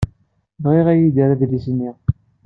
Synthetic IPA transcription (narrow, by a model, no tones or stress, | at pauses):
vʁiʁæjid̪æɾæðlisnːiʁ